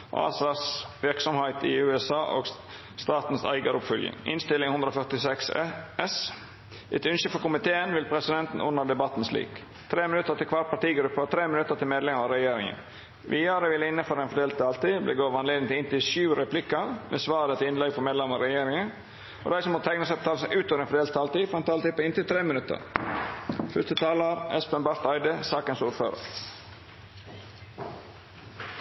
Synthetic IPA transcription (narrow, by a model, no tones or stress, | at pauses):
ʔɑ̰ːsɑsʋɪɾksɔmhæɪt̪ɪ̰ʉːɛsɑːʔo̰ːɡ | st̪ɑːt̪n̩sæ̰ɪɡɑɾʊpfœljɪ̰ŋɪ̰nst̪ɪlɪŋhʉnd̪ɾɔfœt̪ɪsɛksɛs | ʔɛt̪ʉnʃəfɔɾkʊmɪt̪ʰeːənʋɪlpʰɾɛsɪd̪ɛnt̪n̩ʔʊ̰nːəɖ̪ɛbɑt̪ːn̩slḭːk | t̪ʰɾeːmɪnʉt̪əɾt̪ɪlkʰʋɑʈ̚pʰɑʈ̪iːɡɾʉpːəɔt̪ʰɾeːmɪnʉt̪əɾt̪ʰɪlmeːd̪lɛməɑɾɛjeːɾɪŋə̰n | ʋʔiːəɾəʋɪləɪnːəføːɾɛɪnfɔɖ̪eːlt̪ɑlt̪iblḛːɡoːʋɑneːd̪n̩t̪ʰɪɪnt̪ɪʃʉːɾɛpʰlɪkəmʔesʋɑːɾət̪ʰɪɪnlɛɡfɔmɛd̪lɛmɔɾɛjeːɾɪŋən | o̰d̪æɪsɔmhot̪ʰæɪknəsɑp̚t̪ɑːlsʔʉːt̪ʰoːʋɾɛnfɔɖeːlt̪ʰːɑlt̪iːfɔɾɛnt̪ʰɑːlt̪ɪːpɔɪnt̪ɪlt̪ʰɾeːmɪnʉt̪ə̰ɾ | fʏst̪ət̪ʰɑːləɾɛspənbɑɾt̪ɑɪd̪əsɑːkənsuːɾfø̰ːɾə̰ɾ